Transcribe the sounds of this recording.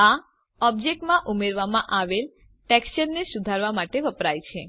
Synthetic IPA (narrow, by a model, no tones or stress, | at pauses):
a | ɔbd͡ʒek̚ʈmãʔumeɾʋamãʔaʋel | ʈɛksʃəɾnesʊd̪ʱaɾʋamaʈeʋəpɾajt͡ʃʰe